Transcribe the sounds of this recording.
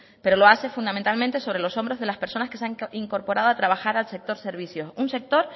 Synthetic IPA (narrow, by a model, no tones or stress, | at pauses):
pe̞ɾo̞lo̞ase̞fund̪amẽnt̪almẽnt̪eso̞βɾe̞lo̞so̞mbɾo̞zðe̞laspe̞ɾsonaskeseaŋiŋko̞ɾpo̞ɾað̞oat̪ɾaβ̞axaɾalse̞k̚t̪o̞ɾse̞ɾβ̞isjo̞sunse̞k̚t̪o̞ɾ